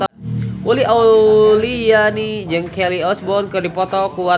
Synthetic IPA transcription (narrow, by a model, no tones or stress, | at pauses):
uliaulijanid͡ʒəŋkɛliɔsbɔnkərdipɔt̪ɔkuwa